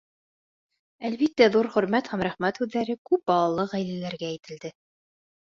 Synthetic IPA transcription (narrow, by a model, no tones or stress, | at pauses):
ælβit̪ːæðuɾχɵ̆ɾmæt̪hæmɾæχmæt̪hʉðːæɾɘkʉp̚bɑlˠɑlˠɤʁæjlælæɾɡæːjt̪ɘ̆ld̪ɘ